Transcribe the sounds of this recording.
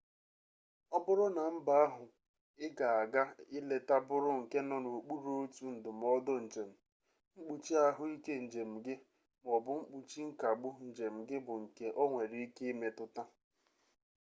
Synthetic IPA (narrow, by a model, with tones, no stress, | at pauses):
ɔ˦bʊ˦ɾʊ˦na˨m̩˦ba˦a˦ɦʊ˨ | ɪ˦ɡa˨a˨ɡa˦ɪ˦le˨ta˦bʊ˦ɾʊ˦ŋ̩˨ke˦nɔ˦no˨o˨k͡pu˦ɾo˦o˦tu˨n̩˨dʊ˨m̩˨ɔ˦dʊ˦n̩˨d͡ʒe˨m̩˨ | ŋ͡m̩˦k͡pu˨t͡ʃi˦a˦ɦʊ˦i˦ke˦n̩˨d͡ʒe˨m̩˨ɡɪ˦ | m˨ɔ˨bʊ˨ŋ͡m̩˦k͡pu˨t͡ʃi˦ŋ̩˦ka˨ɡ͡bʊ˦n̩˨d͡ʒe˨m̩˨ɡɪ˦bʊ˨ŋ̩˨ke˦ʔɔ˦ŋʷe˨ɾi˨˦i˦ke˦i˦me˨tʊ˦ta˦